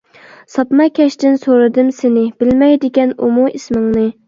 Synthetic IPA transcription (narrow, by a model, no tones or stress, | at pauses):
sɑpmɑkʲʰɛʃt̪ɪnsoɾɨd̪ɨmsɪnɪb̥ɪlmɛjd̪ɪɡʲɛnumuismɪŋnɨ